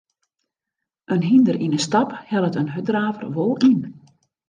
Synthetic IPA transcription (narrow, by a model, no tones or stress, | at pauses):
ʔənɦindərinəstɑphɛlˠətənɦødraːvərʋolˠin